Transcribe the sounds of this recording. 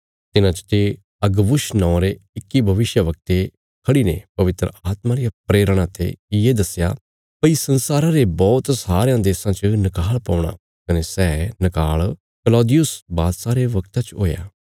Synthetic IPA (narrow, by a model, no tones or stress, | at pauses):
t̪ɪnãt͡ʃə̥t̪e | ɐɡbʊʃnɔ̃ãɾeɪkːibʱɐʋɪʃjəʋɐk̚t̪e | kʰɐɽinḛ̃pɐʋɪt̪ɾə̰aːt̪mãɾɪjapɾeːɾəɽ̃ãt̪ḛɪjed̪ɐsja̰ | pɐisɐnsaːɾãɾebɔːt̪saːɾejãd̪eːsãt͡ʃənɐkaːɭpɐ̃ːʊɽ̃a̰ | kɐnesɛːnɐkaːɭ | kəlɔːd̪ɪjʊsbaːd̪saːɾeʋɐkt̪at͡ʃɦo̰ːja̰ː